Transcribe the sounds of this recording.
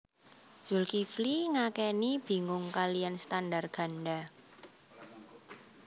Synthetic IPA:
z̥ʊlkifliŋakɛnib̥i̤ŋʊŋkalijanst̪andarɡ̥a̤nɖa

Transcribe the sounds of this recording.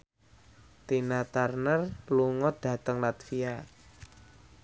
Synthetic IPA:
t̪inat̪arnərluŋɔd̥ä̤t̪əŋlat̪fia

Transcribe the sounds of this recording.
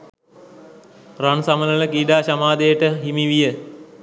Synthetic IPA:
ransamələləkiːɖaːɕamaːd̪ejəʈəɦimiʋijə

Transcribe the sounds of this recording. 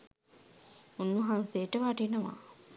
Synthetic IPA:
unːuɦanseʈəʋaʈinəʋa̰

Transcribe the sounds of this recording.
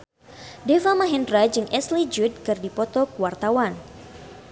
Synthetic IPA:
defamaɦɛndɾad͡ʒɨŋʔɛslid͡ʒud̚kɨrdipɔt̪ɔkwart̪awan

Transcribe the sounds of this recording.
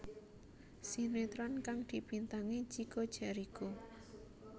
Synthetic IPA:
sinet̪ɾɔnkaŋd̪̥i̤pint̪aŋet͡ʃikod̥ʒ̥a̤ɾiko

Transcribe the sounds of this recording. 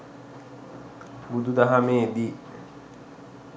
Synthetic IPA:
bud̪ud̪aɦameːd̪iː

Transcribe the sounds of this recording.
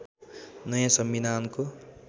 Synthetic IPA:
nʌjãsʌmbid̪anko

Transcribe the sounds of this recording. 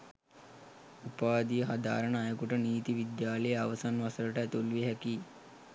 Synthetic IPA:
upaːd̪ijəɦad̪a̰ːɾənajəkuʈəniːt̪iʋid̪jaːləjəaʋəsanʋasələʈəæt̪ulʋiɦækiː

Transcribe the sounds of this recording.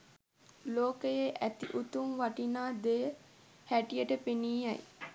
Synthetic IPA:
loːkəjeʔæt̪iʔut̪umʋaʈinaːd̪ejə | hæʈijəʈəpeniːaj

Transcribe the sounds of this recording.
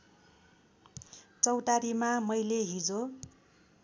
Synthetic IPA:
t͡sʌwʈaɾimamʌjleɦid͡zo

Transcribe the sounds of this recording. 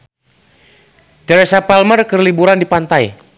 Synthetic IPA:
tɛɾɛsapalmərkərlibuɾandipant̪aj

